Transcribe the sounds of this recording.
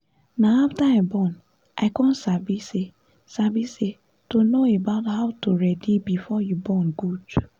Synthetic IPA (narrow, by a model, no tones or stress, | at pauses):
naaftaabɔn | ʔaɪkɔ̃n̩sabise | sabise | tonoebaʊthaʊtoɾɛdibifɔjubɔnɡud